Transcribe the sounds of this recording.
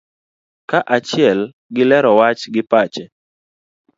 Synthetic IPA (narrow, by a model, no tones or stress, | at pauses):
kaʔat͡ʃɪɛl | ɡɪlɛɾɔwat͡ʃɡɪpat͡ʃɛ